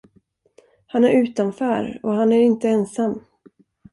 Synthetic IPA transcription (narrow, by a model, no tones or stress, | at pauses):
hanæɾʉ̟ːt̪anfœːɾɔɦanæɾɪnt̪əɛnsamː